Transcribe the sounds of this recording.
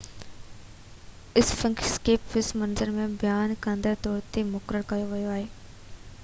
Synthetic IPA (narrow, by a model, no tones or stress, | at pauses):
ɪsfɐ̃ŋkskeːpʋɪsmɐnzəɾmẽbɪjaːnkə̃nd̪əɾt̪ɔːɾt̪emʊkɾəɽkɐjoʋɐjoaːɦeː